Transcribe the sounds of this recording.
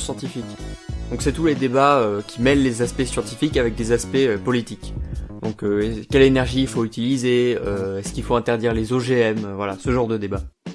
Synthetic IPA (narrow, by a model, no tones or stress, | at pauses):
sjɑ̃t̪ifikd̪̥ɔ̃ksɛt̪uled̪ebaøkʲimɛlːezaspɛsjɑ̃t̪ifikavɛk̚d̪ezaspɛøpɔlit̪ikd̪̥ɔ̃køɛkʲɛlenɛʁʒiːlfoyt̪ilizeøɛskilfoɛ̃t̪ɛʁd̪iʁlezoʒeɛmøvwalasəʒɑ̃ʁd̪əd̪eba